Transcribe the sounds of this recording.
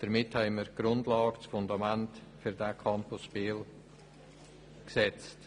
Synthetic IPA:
d̥əɾmɪthɛɪməɾɡ̥ɾʊndlɑːɡ̥ət͡sfʊndɑmæntfyɾdakʰɑmpʊsʃpiːl | ksɛt͡st

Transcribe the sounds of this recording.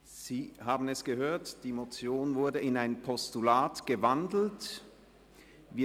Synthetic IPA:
z̥iːhaːbn̩ɛsɡ̥əɦøːɐtd̥iːmot͡sjoːnvʊɐdəɪnaɪnpʰɔstulaːtɡ̥əvandl̩t | viː

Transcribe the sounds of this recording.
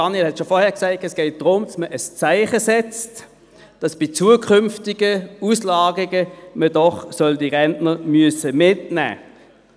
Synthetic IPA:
d̥ɑnielhɛtʃɔfɔʁhɛːɐʁksaɪtɛsɡ̥ɛɪt̚d̥ʁʊmdɑsməʔəst͡saɪχəsɛt͡st | d̥ɑsb̥it͡suəkʰʏmftɪɡəuslɑːɡɪɡəmədɔχsœldiʁɛntnəʁmyəsəmɪtnæ̰ː

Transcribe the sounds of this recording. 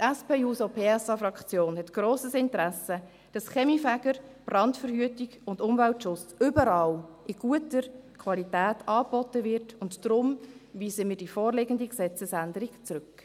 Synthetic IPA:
tɛspeːuːsopʰeːɛsɑfɾɑkt͡sjoːnhɛtɡ̥roːsəsɪntɾæsə | d̥ɑsχɛmifæɡ̥əɾb̥rɑntfəɾhyːətiɡʊndʊmvæltʃʊt͡sʏbəɾɑːlʔɪɡ̥uətəɾkʰʋɑlitæːtʰɑːb̥ɔtəʋɪrtʊntdɾʊmʋiːsəmɪːdifɔːrlɪɡəndiksɛt͡səsændəɾikt͡sɾɵk

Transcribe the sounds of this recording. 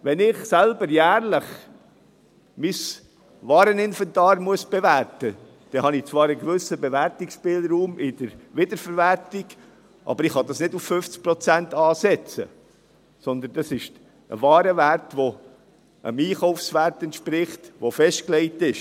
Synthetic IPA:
ʋɛnɪχsælbəɾjæːɾləχ | mis | ʋɑːɾənɪnfɛntɑːɾmuəsb̥ɛvæɾtə | d̥ɛhɑnɪt͡svɑːɾəɡvʏsəbɛvæɾtɪksʃpɪːlɾuːmɪd̥əɾʋɪd̪əɾfəɾvæɾtɪɡ | ʔɑ̰b̥əɾɪχhɑd̥̪ɑsnɪduffʏft͡sk̚pɾɔt͡sæntɑːsɛt͡sə̰ | sɔnd̪ənd̥ɑsɪʃ | ə̰vɑːɾəvæɾtʋo | ʔə̰miːχɔʊfsʋæɾtɛntʃpɾɪχtʋofɛʃtklɛɪtɪʃ

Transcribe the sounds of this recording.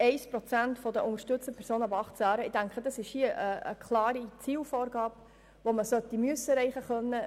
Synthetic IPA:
ɛɪspɾɔt͡sæntfɔd̪əʔʊŋəɾʃtɵt͡stəpʰɛɾsoːnəʊbɑχtt͡sæːɾəɪd̥æŋkχədɑsɪʃhiəʔəə̰kχlɑːɾit͡siːlfɔːɾɡɑːp | ʋoməsœt̪ːimyəsːəɾɛɪχəχœnːə

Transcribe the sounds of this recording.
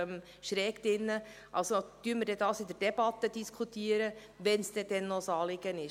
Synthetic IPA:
m | ʃɾɛːkd̥̪ɪnːə | ʔɑ̰lsod̥̪yənməɾdɛd̪ɑːsɪd̪əɾd̥ɛb̥ɑt̪ːədiskʰut̪iəɾə | ʋɛnsd̥̪ɛd̥̪ɛnːɔsɑːlɪɡ̥ənɪ

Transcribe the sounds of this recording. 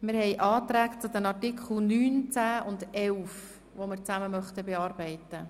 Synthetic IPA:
mɪɾhɛɪjʔɑːt̪ɾæːkt͡sʊd̪ɛnɑtɪkχl̩nyːnt͡sæːʔʊndɛlf | ʋomɪɾt͡sæməmœχt̪əbeɑːrbɛɪt̪ə

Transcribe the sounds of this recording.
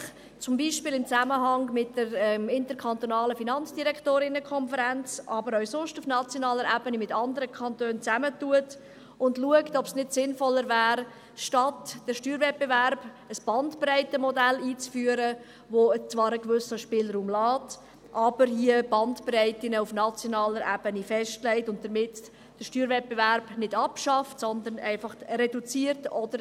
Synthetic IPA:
t͡sʊmbiːʃpɪːlɪmt͡sæməɦɑŋmɪtdəɾɛmɪntəɾkʰɑnt̪onɑːləfinɑnt͡sd̥iɾɛkʰtoːɾɪnəkʰɔnfəɾɛnt͡sʔɑbəɾœwsʊʃtufnɑt͡sjonɑːləɾæbənimɪtɑndəɾəkʰɑntøːnt͡sæmətuət | ʊndluəktɔpsnɪtsɪnfɔlːəɾvɛːɾ | ʃtɑtd̥əɾʃtyːɾvɛt̚b̥evæɾb̥ | əsb̥ɑntprɛɪtəmɔdæliːt͡sfyːəɾə | ʋot͡sʋɑːɾəkvʏsəʃpɪːlɾuːmlɑːt | ʔɑb̥əɾhiəbɑntprɛɪtɪnəufnɑt͡sjɔnɑːləɾæb̥ənifɛʃtlɛɪtʊnt̚d̥əɾmɪt | d̥əʃtyːɾvɛt̚b̥evæɾb̥nɪdɑpʃɑftsɔnd̪ənɛ̰ɪfɑχrɛdut͡siərtɔd̥̪əɾ

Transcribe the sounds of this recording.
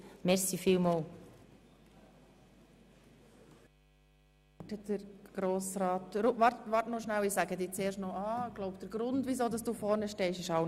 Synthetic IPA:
mɛɾsifiːlmoːl | təd̥əɾɡ̥ɾoːsɾɑːtɾʊvɑɾtʋɑɾtnɔʃnæwɪsæɡədiːt͡seːɾʃtnɔʔɑːɡ̥laʊpd̥əɾɡɾʊndʋizoːdɑsd̥uːfɔɾnəʃtɛɪʃɪʃaʊ

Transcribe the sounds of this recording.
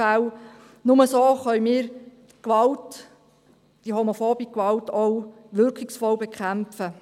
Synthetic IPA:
æw | nʊməsoːχœjmiːɾ | kʋɑlt | d̥ihɔmofoːbikʋɑltow | ʋʏɾkɪksfɔwbekʰχæmfə

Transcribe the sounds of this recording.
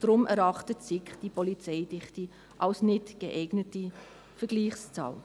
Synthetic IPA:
d̥ɾʊmɛɾɑχtətsɪkd̥ipɔlit͡sɛɪdɪχti | ʔɑlsnɪtɡ̥əʔɛɪɡnəti | fɛɡ̥liːχst͡sɑ̰ːl

